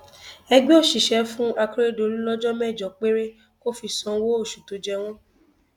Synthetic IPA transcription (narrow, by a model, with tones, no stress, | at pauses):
ɛ˧ɡ͡be˦o˦˨ʃi˨ʃɛ˨˧fũ˦a˧ki˦ɾe˦do˨ɾi˦lɔ˦d͡ʒɔ˦mɛ˦˨d͡ʒɔ˨k͡pe˦ɾe˦ | ko˦fi˧˨sɔ̃˨˧wo˦o˦˨ʃu˨to˨˦d͡ʒɛ˧w̃ɔ̃˦